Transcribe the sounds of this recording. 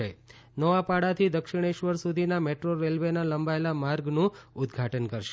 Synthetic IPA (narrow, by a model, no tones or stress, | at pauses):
e | nəʋapaɽat̪ʰid̪əkʃiɽ̃eʃʋəɾsud̪ʱinameʈɾoɾelʋenaləmbaelamaɾɡnũʊd̪ɡʱaʈənkəɾʃ